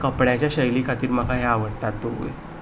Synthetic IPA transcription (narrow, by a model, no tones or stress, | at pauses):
kəpɽjat͡ɕjaɕəjlikʰat̪iːɾməkaɦjaaʋəɽʈat̪̚d̪oo̰e